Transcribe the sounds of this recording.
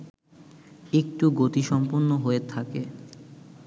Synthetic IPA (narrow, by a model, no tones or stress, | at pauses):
ek̚ʈuɡot̪iʃɔmponːoɦoet̪ʰake